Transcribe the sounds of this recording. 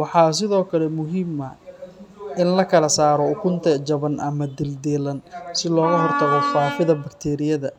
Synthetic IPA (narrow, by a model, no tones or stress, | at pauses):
wɑħɑːs̬ɪðɔːkʰɐlɛmʊɦiːmɐ | ɪnlɐkʰɐlɐsaːɾɔʊkʰʊnt̪ʰɛt͡ʃɐβɐnʔɐmɐd̪ɪld̪ɛːlɐnsɪlɔːɣɐɦɔrt̪ʰɐɣɔfaːfɪðɐbɐkt̪ʰɛːɾɪjɐðɐ